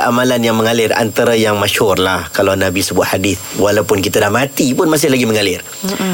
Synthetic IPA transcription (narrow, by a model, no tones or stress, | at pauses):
amalanjaŋməŋalɪra̰nt̪aɾajaŋmaʃhʊrlahkalawnabisəbʊt̪hadɪθwalawpʊnkit̪adahmat̪ipʊnmas̬ɪhlaɡiməŋalɪr